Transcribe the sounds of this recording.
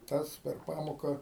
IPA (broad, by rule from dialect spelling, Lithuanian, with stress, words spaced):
ˈtɐs pʲɛr ˈpɑːmoːkɐ